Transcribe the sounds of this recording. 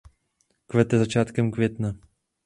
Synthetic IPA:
kvɛt̪ɛzat͡ʃaːt̪kɛmkvʲjɛt̪na

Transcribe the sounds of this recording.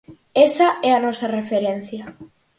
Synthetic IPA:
esaɛɐnɔsɐrefeɾen̟θjɐ

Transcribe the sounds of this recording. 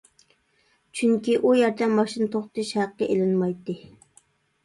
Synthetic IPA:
t͡ʃʰyŋkʲiʔujɛɾd̪ɛmɑʃint̪ʰoχt̪ɨʃhæqːəʔelɪnmɑjt̪ːɨ

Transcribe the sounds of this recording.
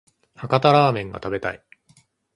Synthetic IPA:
hakat̪aɾaːmẽ̞ŋɡa̰t̪abe̞t̪a̰ḭ

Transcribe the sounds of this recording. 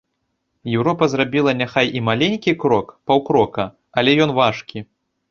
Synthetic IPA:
jɛwɾɔpɐzrabʲilˠɐnʲaxajʔimalʲenʲkʲikɾɔkpawkɾɔkɐ | ɐlʲɛjɔnvaʂkʲi

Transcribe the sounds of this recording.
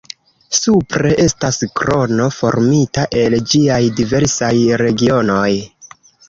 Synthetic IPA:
supɾe̞ʔe̞staskɾo̞no̞fo̞̰ɾmitaʔe̞ld͡ʒiajdive̞ɾsajɾe̞ɡio̞no̞j

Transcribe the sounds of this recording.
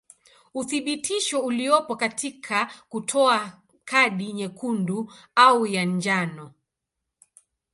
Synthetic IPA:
uθiɓitʰiʃɔuliɔpɔkatʰikʰakutʰɔa | kʰaɗiɲɛkundu | aujaɲd͡ʒanɔ

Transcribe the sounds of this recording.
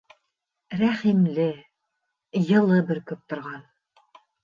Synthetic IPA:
ɾæχimlɘ | jɤ̆lˠɤbɘɾkɵp̚t̪ŏɾʁɑn

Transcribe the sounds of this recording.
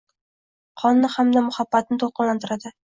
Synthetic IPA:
qʰɒnːɪhamd̪amʊhabːat̪̚nɪt̪ʰolˠqɨnlant̪ʰɪɾad̪ɪ

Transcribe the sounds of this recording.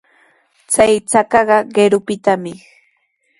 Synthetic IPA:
t͡sajt͡sakɑɢɑɢeɾʊpɪt̪amɪ

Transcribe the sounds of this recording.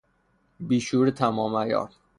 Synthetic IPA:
biːʃuːɾet̪ʰæmɒːmæjɒ̰ːɾ

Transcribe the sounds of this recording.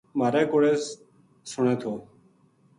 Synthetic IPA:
maːɾẽːkoɽeːs | sʊɳẽːt̪ʰoː

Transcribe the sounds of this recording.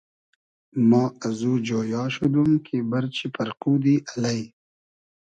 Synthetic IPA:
mɑːazuːd͡ʒojɑːʃud̪umkʰebaɾt͡ʃipaɾqud̪iʔalaj

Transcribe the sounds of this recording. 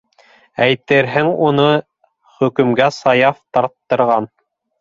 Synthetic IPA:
æjt̪ɘɾɦɘŋunɤ | χɵ̆kɵ̆mɡæsɑjɑft̪ɑɾt̪ːɤ̆ɾʁɑn

